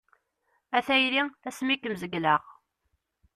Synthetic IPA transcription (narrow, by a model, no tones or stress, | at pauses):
æθæjliæsmikəmzəɡlaʁ